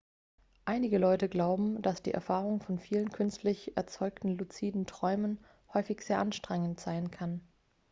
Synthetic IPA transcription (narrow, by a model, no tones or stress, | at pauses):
ʔaɪnɪɡəlɔʏtəɡlaʊbm̩d̥asd̥ḭːʔɛɐfaːʁʊŋfɔnfiːlənkʰʏnstlɪçʔɛ̰ɐt͡sɔʏktn̩lut͡siːdn̩tʁ̥ɔʏmən | hɔʏfɪçz̥eːɐʔanʃtʁ̥ɛŋəntz̥aɪnkʰan